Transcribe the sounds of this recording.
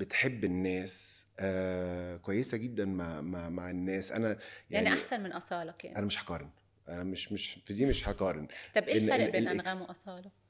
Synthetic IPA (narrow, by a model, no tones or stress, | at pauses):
bet̪ħebːenːæːsʔæːkowæjːesæɡed̪ːænmaʕmaʕmaʕenːæːsʔæ̰næjaniʔaħsænmenʔɑsˤɑːlɑkæ̰ːnænæmeʃħɑ̥qɑːɾˤen | ʔænæmeʃmeʃfid̪iːmeʃħɑkɑːɾˤenɑbʔeeæbeelʔʔeæmoʔɑsˤɑːlɑ